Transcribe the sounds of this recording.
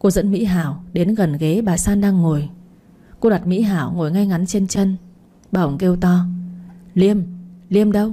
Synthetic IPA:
ku˧zə̰˧˥nmḭ˧˥ɦaː˧˩wɗe˨˦nɣə˨˩nɣe˨˦ɓaː˨˩saː˧nɗaː˧ŋːo˨˩j | ku˧ɗwa˨˩t̚mḭ˧˥ɦaː˧˩˨wŋo˨˩jŋa˧jŋa˨˦nt͡ɕe˧nt͡ɕə˧n | ɓə˧˩wŋ͡mke˧wt̪ɔ˧ | li˧əmli˧əmɗə˧w

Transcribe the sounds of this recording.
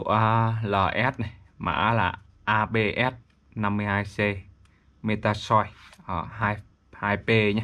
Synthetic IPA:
ʔaː˧ləː˨˩ʔɛ˦˥t̚na˨˩jmʔa̰ː˧ʔla̰ː˨˩ | ʔaː˧ɓe˧ʔɛ˦˥t̚ | na˧mːɨ˧əjhaː˧jse˧ | me˧t̪aː˧sɔ˧jəː˧˩ɦaː˧j | haː˧jpe˧ɲa˧˦

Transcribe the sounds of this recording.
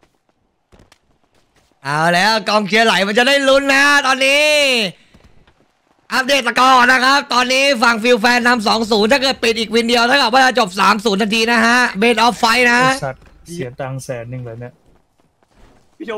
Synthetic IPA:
ʔaː˧˩wlɛː˦˥wkɔː˧ŋkʰi˧ɐla˨˦jma˧nt͡ɕa˨˩da˥˩jlu˦˥nːa˦˥t̪ɔː˧nːiː˦˥ | ʔa˦˥p̚deː˧˩t̪̚ːa˧kɔː˨˧˩k̚na˦˥kʰa˦˥p̚t̪ɔː˧nːiː˦˥fa˨˩ŋfi˧wfɛː˧nːa˧ms̬ɔː˩˦ŋs̬uː˨˩˦nt̪ʰaː˥˩kɤː˨˩t̪̚pi˨˩t̪̚ʔiː˨˩k̚wi˧ndi˧əwt̪ʰa˥˩ŋka˨˩waː˥˩aː˧˩t͡ɕo˨˩p̚saː˩˦msuː˩˦nːaː˧t̪ʰiː˧na˦˥kʰa˦˥ʔbeː˧˩t̪̚ʔɔː˦˥pːa˧jna˦˥a˨˩t̪̚ | si˩˦t̪aː˧ŋsɛː˩˦nːɯ˧˩bɛː˨˦˩ni˦˥ɐ

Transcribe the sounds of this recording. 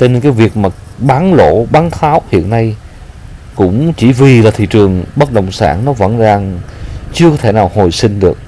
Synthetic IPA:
t͡ɕɔ˧ne˧nkaː˨˦jvi˨˩ək̚maː˨˩ | ɓaː˨˦nlo̰˧˥ɓaː˨˦nt̪ʰaː˨˦whḭ˧˨ənːa˧j | kʊ̰˧˥ŋ͡mt͡ɕi˧˩vi˨˩laː˨˩t̪ʰḭ˧˨t͡ɕɨ˨˩əŋɓə˦˥t̚ɗə̰˧˨wŋ͡msa̰ː˧˩nnɔ˨˦və̰˧˥nzaː˨˩ŋt͡ɕɨ˧kɔː˨˦t̪ʰe˧˩naː˨˩who˨˩jsï˧ŋ̟ɗɨ˨˩ək̚

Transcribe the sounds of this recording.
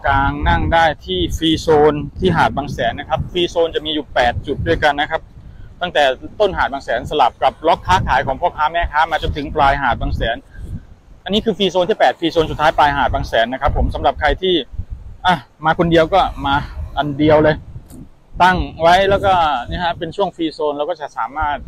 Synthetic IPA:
kaː˧ŋna˥˩ŋdaː˥˩jt̪ʰiː˥˩fiː˧soː˧nt̪ʰiː˥˩ɦaː˨˩t̪̚baː˧ŋsɛː˩˦nːa˦˥kʰa˦˥p̚fiː˧soː˧nt͡ɕa˨˩miː˧juː˨˩pɛː˨˩t̪̚t͡ɕu˨˩t̪̚du˥˩əjka˧nːa˦˥kʰa˦˥p̚t̪a˥˩ŋt̪ɛː˨˩t̪o˥˩nɦaː˨˩t̪̚baː˧ŋsɛː˩˦nsa˧la˨˩p̚ka˨˩p̚lɔ˦˥kʰːaː˦˥kʰaː˨˩˦jkʰɔː˩˦ŋpʰɔː˥˩kʰaː˦˥mɛː˥˩kʰaː˦˥maː˧t͡ɕo˧nt̪ʰɯ˩˦ŋplaː˧jɦaː˨˩t̪̚baː˧ŋsɛː˩˦n | ʔa˧nːiː˦˥kʰɯː˧fiː˧soː˧nt̪i˥˩pɛː˨˩t̪̚fiː˧soː˧nsu˨˩t̪ʰːaː˦˥jplaː˧jɦaː˨˩t̪̚baː˧ŋsɛː˩˦nːa˦˥kʰa˦˥pʰːo˩˦msa˩˦mɾa˨˩p̚kʰa˧jt̪ʰiː˥˩ʔa˧˩maː˧kʰo˧ndi˧əwkɔː˥˩maː˧ʔa˧ndi˧əwlɤː˧j | t̪a˥˩ŋwa˦˥jlɛː˦˥wkɔː˥˩niː˥˩kʰa˦˥pe˧nt͡ɕʰu˥˩əŋfiː˧soː˧nlɛː˦˥kɔː˥˩t͡ɕa˨˩ʔsaː˩˦maː˥˩t̪̚

